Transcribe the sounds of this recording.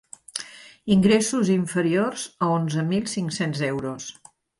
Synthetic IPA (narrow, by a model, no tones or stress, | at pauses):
iŋɡɾesuziɱfəɾiorz̥əonzəmilˠsiŋksenzɛwɾos